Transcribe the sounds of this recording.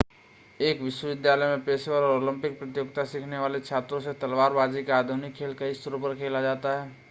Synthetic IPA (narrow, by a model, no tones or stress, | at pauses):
eːkʋɪʃwəʋɪd̪jaːləjmẽpeːsewəɾɔːɾoːlə̃mpɪk̚pɾət̪joːɡt̪asikʰneʋaːlet͡ʃʰaːt̪ɾõset̪ɐlʋaːɾbaːd͡ʒikeaːd̪ʱʊnɪkʰːeːlkɐist̪ʰəɾõpəɾkʰeːlad͡ʒaːt̪aɦɛː